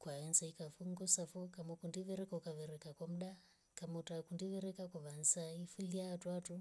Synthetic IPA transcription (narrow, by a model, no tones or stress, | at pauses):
kwaɛnsaikafuŋɡɔsafokamɔkundiʋɛɾɛkaukaʋɛɾekakwam̩ɗa | kamotakundiʋɛɾɛkakuʋansaifuliatwatu